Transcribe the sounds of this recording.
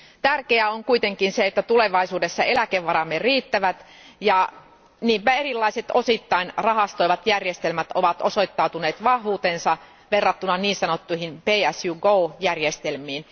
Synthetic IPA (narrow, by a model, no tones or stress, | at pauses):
t̪ærkeæoŋkuit̪eŋkinseet̪ːæt̪uleʋɑisuːdesːɑelækeʋːɑɾɑmːeriːt̪ːæʋæt̪ | jɑ | niːmpæerilːɑiset̪osit̪ːɑinrɑhɑst̪oiʋɑt̪jærjest̪elmæt̪o̰ʋɑt̪osoit̪ːɑut̪uneːt̪ʋɑhʋuːt̪ensɑ | ʋerːɑt̪ːunɑniːnsɑnot̪ːuihinpeːæsjuɡoːjærjest̪elmiːn